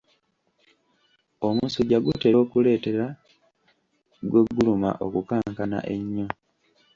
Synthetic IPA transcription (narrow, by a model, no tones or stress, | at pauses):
omuːsoɟaɡuteoːkule̞ːte̞ɾa | ɡwe̞ɡːuluma̰ʔo̞kukaːŋkana̰ʔe̞ɲːo